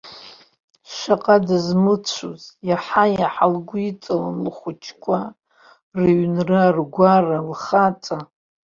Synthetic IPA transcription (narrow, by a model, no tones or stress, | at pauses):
ʃaqʼadɨzmɨt͡ɕʷʰuzjaħajaħalɡʷʊit͡sʼalanlχʷʊt͡ʃʰkʷʰʼa | rɨɥnrɨarɡʷaralχat͡sʼa